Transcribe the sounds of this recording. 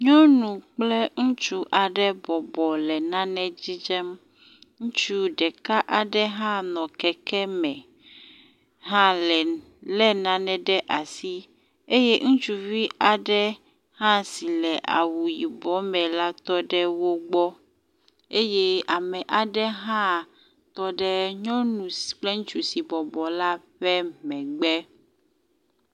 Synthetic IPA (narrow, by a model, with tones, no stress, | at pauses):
ɲɔ̃˦nũ˨k͡plɛ˦ŋũ˦t͡ʃu˦ʔa˨ɖɛ˦bɔ˨bɔ˨lɛ˨nã˦nɛ̃˦d͡ʑi˦d͡ʒɛ˦m | ŋũ˦t͡ʃu˦ɖɛ˨ka˦ʔa˨ɖɛ˦ɦã˦nɔ̃˨kɛ˨kɛ˦mɛ̃˨ | ɦã˦lɛ˨ | lɛ˦nã˨nɛ̃˨ɖɛ˦ʔa˨si˦ | e˦je˦ŋũ˦t͡ʃu˦vi˦a˨ɖɛ˦ | hã˦si˨lɛ˨ʔa̰˨wu˨ji˨bɔ˨˦mɛ̃˨la˦t̪ɔ˦ɖɛ˦wo˦ɡ͡bɔ˦ | e˦je˦a˨mɛ˨ʔa˨ɖɛ˦ɦã˦ | t̪ɔ˦ɖɛ˦ɲɔ̃˦nũ˨sk͡plɛ˦ŋũ˦t͡ʃu˨si˨bɔ˨bɔ˨la˦ɸɛ˦mɛ̃˨ɡ͡bɛ˦